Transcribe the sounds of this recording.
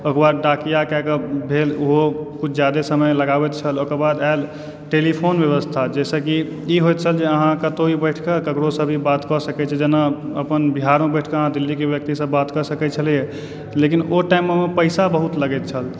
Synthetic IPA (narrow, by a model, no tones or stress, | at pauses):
okbad̪ɖakijakɛkəbʱeloɦokut͡ʃʰd͡ʒjad̪esəməjləɡabɛt̪t͡ʃʰəlokəɾbad̪al | ʈelipʰonbjeβəst̪ʰad͡ʒɛsəki | iɦojt̪̚t͡ʃʰəld͡ʒeəɦãkət̪oibəɪʈʰkəkəkɽosəbʱibat̪kɔsəkɛt͡ʃʰɛd͡ʒenaəpənbiɦaɾmebəɪʈʰkəəɦãd̪ilːikebjək̚t̪isəbːat̪kəsəkɛt͡ʃʰəlije | lekinoʈaimːemepəɪsabəɦut̪ləɡɛt̪̚t͡ʃʰəl